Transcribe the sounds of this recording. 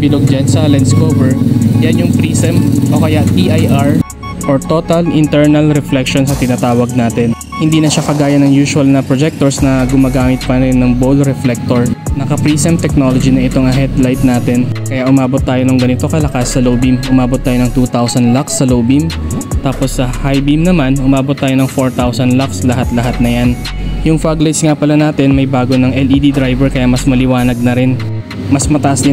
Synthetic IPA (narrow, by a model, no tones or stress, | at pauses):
bɪloɡ̚d͡ʒansɐlɛnskoːvɛɹjanjʊŋpɾiːsɛmʔokɐjaʔt̪iʔajʔaɹ | ʔoɹt̪o̞t̪ɐlɪnt̪ɛɹnɐlɾɛflɛkʃonsnɐt̪ɪnat̪aːwɐɡ̚naːt̪ɛn | hɪnd̪iːnɐʃakɐɡaːjɐnɐŋjuːʃʊɐlnɐpɾod͡ʒɛk̚t̪oɹsnɐɡʊmaɡaːmɪt̪̚pɐɾɛnːɐŋbolɾɛflɛk̚t̪oɹnɐkɐpɹiːsɛmt̪ɛk̚no̞lod͡ʒinɐʔɪt̪oŋɐɦɛd̪lajt̪̚naːt̪ɛnkɐjaʔʊmaːbot̪ːaːjo̞nɐŋɡɐnɪt̪o̞kɐlɐkasːɐlowbimʔʊmaːbot̪ːaːjonɐŋt̪uːt̪awsɐnlaksːɐloːwbimt̪aːpo̞sːɐhajbimnɐmanʔʊmaːbot̪ːaːjo̞nɐŋfoɹt̪awsɐnlakslɐɦat̪lɐɦat̪̚nɐjan | jʊŋfaɡlajt̪sŋapɐlanaːt̪ɛnmɐjbaːɡo̞nɐŋɛlid̪id̪ɾajbɛɹkɐjamɐsmɐlɪwaːnɐɡ̚nɐɾɪn | mɐsmɐt̪ɐʔasd̪ɪ